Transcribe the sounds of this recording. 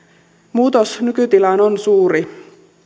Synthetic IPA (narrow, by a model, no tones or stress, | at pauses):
muːt̪osnykyt̪ilɑnonsuːɾi